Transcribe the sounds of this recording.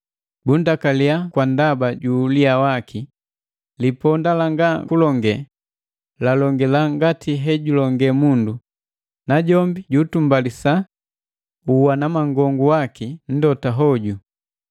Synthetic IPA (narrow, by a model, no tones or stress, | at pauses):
bundakaliakwandabaɟuliawakʰi | lipɔndalaŋɡakulɔŋɡɛ | lalɔŋɡɛlaŋɡatiɦɛɟulɔŋɡɛmundu | naɟɔmbiɟuːtumbalisa | uwanamaŋɡɔŋɡuwakin̩dɔtaɦɔɟu